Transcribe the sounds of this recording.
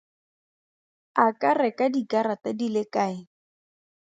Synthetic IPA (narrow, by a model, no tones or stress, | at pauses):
akʼarɛkʼadikaɾatadilekaːɪ